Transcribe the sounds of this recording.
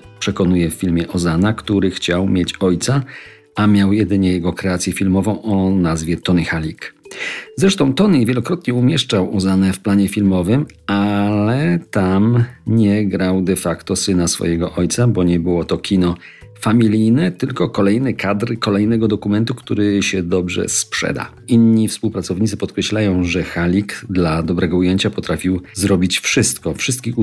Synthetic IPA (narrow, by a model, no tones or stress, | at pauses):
pʂɛkɔnujɛfːʲilmʲjɛʔɔzanakt̪uɾɘxt͡ɕawmʲjet͡ɕɔjt̪sa | amʲjawjɛd̪ɘɲɛjɛɡɔkɾɛat̪sʲjɛfʲilmɔvɔ̃w̃ɔnazvʲjɛt̪ɔnixalʲikzɾɛʂt̪ɔ̃w̃t̪ɔnivʲjɛlɔkɾɔt̪ɲɛumʲjɛʂt͡ʂawɔzanɛfplaɲɛfʲilmɔvɘm | alɛt̪amɲɛɡɾawd̪ɛfakt̪ɔsɘnasfɔ̰jɛɡɔʔɔjt̪sabɔɲɛbɘwɔt̪ɔkʲinɔ | famʲilʲijnɛt̪ɘlkɔkɔlɛjnɘkʰad̪ɾkɔlɛjnɛɡɔd̪ɔkumɛnt̪ukt̪uɾɘɕɛd̪ɔbʐɛ̰spʂɛ̰d̪a̰ | inɲifspuwpɾat̪sɔvɲit̪sɨpɔt̪̚kɾɛɕlajɔ̃w̃ʐɛxalʲikd̪lad̪ɔbɾɛɡɔujeɲt͡ɕapɔt̪ɾafʲiwzɾɔbʲit͡ɕfʂɘst̪kɔfʂɘst̪̚kʲix